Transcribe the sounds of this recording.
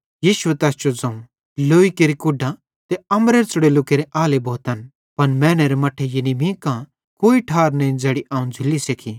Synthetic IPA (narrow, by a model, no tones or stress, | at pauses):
jiːʃʊet̪ɛːst͡ʃod͡zɐ̃ũ | loːikeɾikʊɖã | t̪eɐmɾeɾt͡sʊɽelʊkeɾeʔaːlebʱoːt̪ɐn | pɐnmɛːñeɾemɐʈʰːejenimĩːkã | koːiʈʰaːɾnɐĩd͡zɐɽiʔaːũd͡zʱɪlːisekʰi